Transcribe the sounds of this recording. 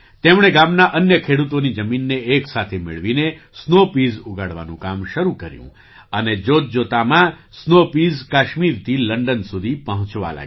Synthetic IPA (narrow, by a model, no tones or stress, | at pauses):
t̪emɽ̃eɡamnaʔənjəkʰeɽut̪onid͡ʒəminːeːksat̪ʰemɪ̰ɭʋine | snopizuɡaɽʋa̰nũkamʃəɾukəɾjṵ̃ | əned͡ʒot̪̚d͡ʒot̪amã | snopizkaʃmiɾt̪ʰiləɳɖənsud̪ʱipəɦə̃t͡ʃʋa̰la̰ɡ